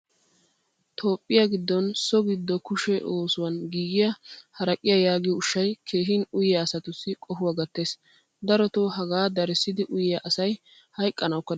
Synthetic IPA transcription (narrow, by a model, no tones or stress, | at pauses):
t̪ʰo̞ːpʼːɪjɐɡɪd̪ːɔnsɔɡɪd̪ːɔkʊʃɛʔoːsʊwɐnɡiːɡɪjɐhɐɾɐkʼɪjɐjaːɡɪjɔʊʃːɐjkʰe̞ːɦɪnʊjɪjaːsɐt̪ʊsːɪkʼɔfʊwaɡɐt̪ːe̞ːs | d̪ɐɾɔt̪oːɦɐɡaːd̪ɐɾɛsːɪd̪ɪʔʊjɪjɐʔɐsɐj | hɐjkʼːɐnɐwkːɐ